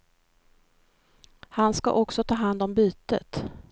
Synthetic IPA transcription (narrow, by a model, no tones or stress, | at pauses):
hanska̰ʔɔksɔt̪ʰɑːɦand̪ɔmbyːt̪ə̰t̪